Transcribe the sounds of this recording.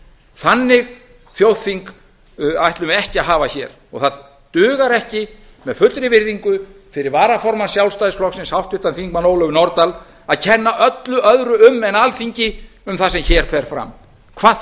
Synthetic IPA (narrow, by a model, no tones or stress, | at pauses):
θanːɪɣ | θjoːwθiŋk | ajht̪lʏmɛhcɪaɦaːvaçɛɾ̥ | ɔɣθað | t̪ʏːɣaɾɛhcɪ | mɛðfʏt̪ɾɪvɪɾðiŋkʏ | fɪɾɪɾvaːɾafɔɾmansjawlst̪ajðɪsflɔksɪnshawht̪ʏht̪anθiŋkmanoːwlœɣnɔɾt̪al | aðcʰɛnːaʔœt̪lʏʔœðɾʏʏmːɛnalfiɲcɪ | ʏmθasɛmçɛːɾ̥fɛɾ̥fɾa̰m | kʰvaː